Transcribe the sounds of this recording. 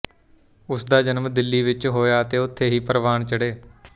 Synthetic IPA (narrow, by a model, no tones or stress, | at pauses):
ʊsd̪aːd͡ʒənmd̪ɪlːiːʋɪt͡ʃɦoːjaːət̪eːʊt̪ʰːeːɦiːpəɾʋaːɳt͡ʃəɽeː